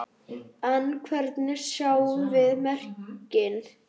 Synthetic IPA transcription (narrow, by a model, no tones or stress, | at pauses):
ankʰvɛɾt̪nɪɾ̥sjaːwʏvɪðmɛr̥cɪn